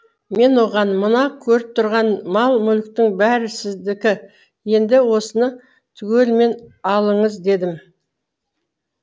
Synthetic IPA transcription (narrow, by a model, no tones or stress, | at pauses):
me̞nwo̞ʁɑnmənɑkʲʰɵɾɪp̚t̪ʰʊɾʁɑnmɑlˠmʏlk̚t̪ɪŋbæɾɪsɪzd̪ɪkʲɪ | je̞nd̪ɪwo̞sənə | t̪ʰʏɡʲelme̞nɑlˠəɴəzd̪e̞d̪ɪm